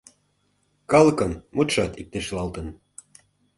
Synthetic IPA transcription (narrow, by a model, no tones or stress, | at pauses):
kɑlɤkɤnmut̪ʃɑt̪ik̚t̪eʃlɑlt̪ə̆n